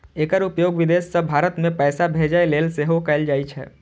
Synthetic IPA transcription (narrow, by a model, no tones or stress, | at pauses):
eːkəɾupjoːɡʋid̪esːəbʱaːɾət̪mẽpɛːsabʱed͡ʒaeleːlseɦokɛɪld͡ʒaːit͡ʃʰɛ̰